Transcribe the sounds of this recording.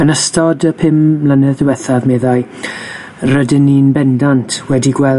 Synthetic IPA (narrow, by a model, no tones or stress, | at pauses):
ənəstʰɔdəpʰɪmːlənɛðəwɛθavmɛːðaɨ | rədɪniːnbɛndantʰwɛdiɡwɛl